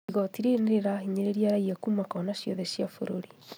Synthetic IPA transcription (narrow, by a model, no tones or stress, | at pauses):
iɣɔtiɾeneɾeɾaɦiɲeɾeɾiaɾaiakuːmakɔnaɕjɔðɛɕjafoɾoɾi